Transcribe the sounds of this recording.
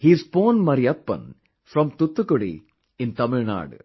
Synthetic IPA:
hiːzboːnmɐɾiɐpːɐ̰̃n | fɾɔ̃mt̪ʊt̪ːukːoɽḭ | ɪ̃nt̪ɐmɪɻna̰ːɽɨ̰

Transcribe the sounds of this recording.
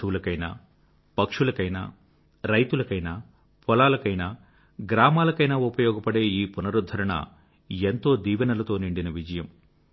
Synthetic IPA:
ʋulɐkɐjna̰ː | pɐkʂulɐkɐjna̰ː | ɾɐjt̪ulɐkɐjnaː | pɔlaːlɐkɐjnaː | ɡɾaːmaːlɐkɐjnaːupɐjɔːɡɐpɐɽe̞ːiːpunɐɾud̪ʱːɐɾɐɳɐ̰ | ent̪o̞ːd̪iːʋɐnɐlɐt̪o̞ːniɳɖinɐʋid͡ʒɐjɐm

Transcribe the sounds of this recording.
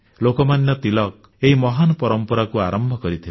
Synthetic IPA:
lokɔmanjɔt̪ilɔk̚ | eɦimɔɦanɔpɔɾɔmpɔɾakuaɾɔmbʱɔkɔɾit̪ʰi

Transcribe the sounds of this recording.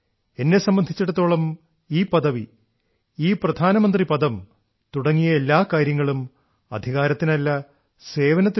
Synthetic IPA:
e̞nːe̞sɐmbɐnd̪ʱit͡ɕːɐɽɐt̪ːo̞ːɭɐm | iːpɐðɐʋi | iːprɐd̪ʱaːnɐmɐnd̪ripɐðɐm | t̪uɽɐŋːijɐelːaːkaːɾjɐŋːɐɭum | ɐ̰d̪ʱiɣaːɾɐt̪ːinɐlːɐ | se̞ːʋɐnɐt̪ːi

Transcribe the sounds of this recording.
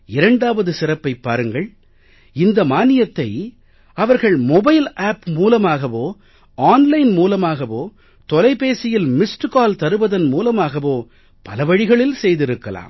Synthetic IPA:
ɪɾɐɳɖaːʋɐðɯsɪrɐpːɐɪpːaːɾɯŋɡɐɭ | ɪnd̪ɐmaːnɪjɐt̪ːɐɪ | ɐʋɐɾɣɐɭmɔbɐɪlaːpmuːlɐmaːɣɐʋoː | aːnlɐɪnmuːlɐmaːɣɐʋoː | t̪ɔlɐɪpeːsɪjɪlmɪsʈkaːlt̪ɐɾɯʋɐðɐnmuːlɐmaːɣɐʋoː | pɐlɐʋɐɽɪɣɐɭɪlsɛjðɪɾɯkːɐla̰ːm

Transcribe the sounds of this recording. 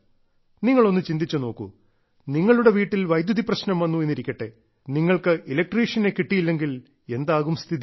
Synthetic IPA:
niŋːɐɭo̞nːɨt͡ɕind̪it͡ɕːuno̞ːkːṵ | niŋːɐɭuɽe̞ʋiːʈːilʋɐjd̪jɐðiprɐɕnɐmʋɐnːuenːiɾikʲːɐʈːe | niŋːɐɭkɨilɐk̚ʈriːʂɐnekiʈːijilːe̞ŋɡil | e̞nd̪aːɣumst̪ʰiði

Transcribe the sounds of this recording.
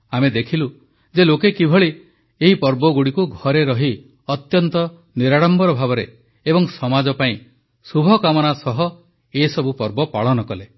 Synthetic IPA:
amed̪ekʰilu | d͡ʒelokekibʱɔɭi | eɦipɔɾbɔɡuɽikuɡʱɔɾeɾɔɦi | ɔt̪jɔnt̪ɔ | niɾaɽɔmbɔɾɔbʱabɔɾe | ebɔŋsɔmad͡ʒɔpaĩ | subʱɔkamɔnasɔɦɔ | esɔbupɔɾbɔpa̰ɭɔnɔkɔle

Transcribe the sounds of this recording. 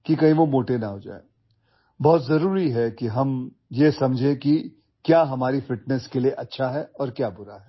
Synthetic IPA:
kikɐĩʋomoːʈenɐɦoːd͡ʒa̰ːḛ | bɔːt̪zɐɾuːɾiɦɛkiɦɐm | jesɐ̃md͡ʒʱẽki | kjaːɦɐmaːɾifɪʈ̚nɛskelieʔɐtːʃʰaɦɛɔːɾkjaːbʊɾaɦɛː

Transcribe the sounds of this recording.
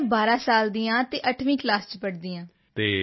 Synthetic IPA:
baːɾãːsaːld̪iːjãːt̪eːʔəʈʰʋĩːklaːst͡ʃpəɽd̪iːãː | t̪eː

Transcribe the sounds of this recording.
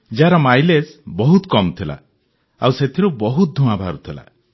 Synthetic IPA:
d͡ʒaɾɔmajlesbɔɦut̪kɔmt̪ʰila̰ | awset̪ʰiɾubɔɦut̪̚d̪ʱumabʱaɾut̪ʰila̰

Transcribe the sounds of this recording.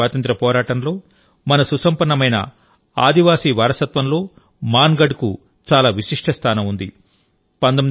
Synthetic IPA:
aːt̪ɐnt̪ɾɐpɔːɾaːʈɐnlo̞ː | mɐnɐsusɐmpɐɳːɐmɐjnɐ̰ | a̰ːd̪iʋaːsiːʋaːɾɐsɐt̪ʋɐmlo̞ː | maːnɡɐɖku | t͡ʃaːlaːʋiʂiʂʈʰɐst̪ʰaːnɐmund̪i | pɐnd̪ɐmi

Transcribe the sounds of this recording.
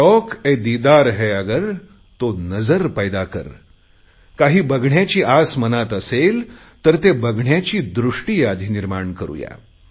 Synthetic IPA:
ɔked̪id̪aɾɦɛəɡəɾ | t̪onəd͡zəɾpəjd̪akə̰ɾ | kaɦiːbəɡɳjat͡ɕiːʔasmənat̪əsel | t̪əɾt̪ebəɡʱɳjat͡ɕiːd̪ɾuʂʈiːad̪ʱiniɾmaɳkəɾṵja̰

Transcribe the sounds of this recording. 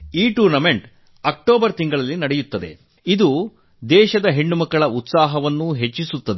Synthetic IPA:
iːʈuːɾnɐme̞ɳʈ | ɐk̚ʈoːbɐɾt̪iŋɡɐɭɐlːinɐɽejut̪ːɐd̪e̞ | id̪u | d̪ɛːʃɐd̪ɐɦeɳːumɐkːɐɭɐut̪saːɦɐʋɐnːuɦe̞t͡ʃːisut̪ːɐd̪e

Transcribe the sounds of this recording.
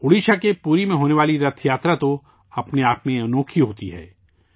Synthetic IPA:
ʊɽiːʃakepuːɾimẽɦoːneʋaːliɾɐt̪ʰjaːt̪ɾat̪o | ɐpneaːpmẽɐnoːkʰiɦoːt̪iɦɛ̰ː

